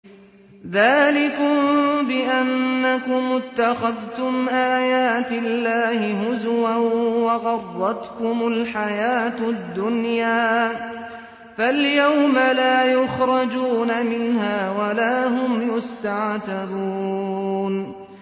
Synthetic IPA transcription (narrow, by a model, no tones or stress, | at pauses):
ðaːlɪkʊmbɪʔanːakʊmːʊt̪ːaxaðt̪ʊmʔaːjaːt̪ɪlːaːhɪɦʊzwanwɑɣɑrˤːɑt̪kʊmʊlħajaːt̪ʊd̪ːʊnjaː | faljawmalaːjʊxɾˤɑd͡ʒuːnamɪnɦaːwalaːɦʊmjʊst̪aʕt̪abuːn